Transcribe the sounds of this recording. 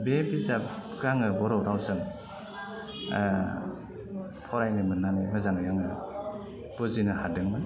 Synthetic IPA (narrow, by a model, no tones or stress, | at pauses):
bebizabɡaŋɯbɔɾɔwɾawsɯŋ | pʰɔɾajnɯmɯnːanɯmɯzaŋjaŋɯ | b̥ɔzinɯhadɯŋmɯn